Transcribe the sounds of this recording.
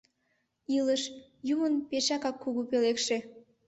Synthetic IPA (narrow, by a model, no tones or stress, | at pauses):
iləʃjumənpeʃɑkɑkːuɣupelekʃe